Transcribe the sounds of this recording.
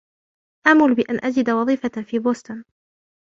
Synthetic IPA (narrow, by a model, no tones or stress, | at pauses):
ʔamʊlbɪʔanʔad͡ʒɪd̪awɑðˤiːfafiːboːst̪ʊn